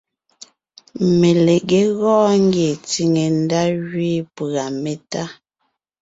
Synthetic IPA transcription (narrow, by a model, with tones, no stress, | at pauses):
me˨le˨ɣe˨˦ɣɔː˦ŋ̩˦ɡje˨t͡si˨ŋe˨n̩˦da˦ɣɥi˦pa˨me˨ta˦